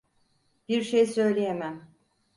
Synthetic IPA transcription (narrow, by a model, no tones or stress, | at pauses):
b̥iɾʃejsø̞jlʲejemæm